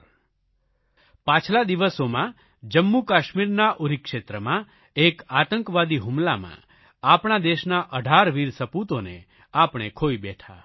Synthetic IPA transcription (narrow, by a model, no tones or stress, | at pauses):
pãt͡ʃʰlad̪iʋəsomã | d͡ʒəmːukaʃmiɾnaʔuɾikʃet̪ɾəmã | ekat̪əŋkʋad̪iɦumlamã̰ | apɳ̃ad̪eʃnaʔəɖʱaɾʋiɾsəput̪one | apɳ̃ekʰoibɛʈʰa̰